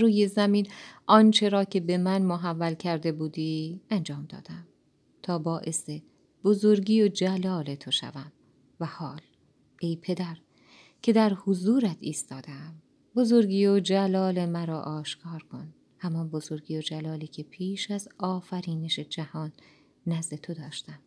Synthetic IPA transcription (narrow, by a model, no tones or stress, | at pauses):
ruːje̞zæmiːnʔɒnt͡ʃʰe̞ɾɒːcʰe̞be̞mænmoɦævːælcʰæɾd̪e̞buːd̪iːænd͡ʒɒːmd̪ɒ̰ːd̪̥æm | t̪ʰɒːbɒːʔe̞se | b̥ozoɾɟiːod͡ʒælɒːle̞t̪ʰo̞ʃæ̰væm | væhɒːl | ʔe̞jpʰe̞d̪æɾ | cʰe̞d̪æɾhozuːɾæt̪ʰiːst̪ɒːd̪eæm | bo̞zo̞ɾɟiːod͡ʒælɒːle̞mæɾɒːʔɒːʃkʰɒːɾkʰo̞n | hæmɒnbo̞zo̞ɾɡiːjod͡ʒælɒːliːcʰe̞pʰiːʃæzɒːfæɾiːneʃe̞d͡ʒæhɒːnː | æzd̪e̞t̪ʰod̪ɒːʃt̪æm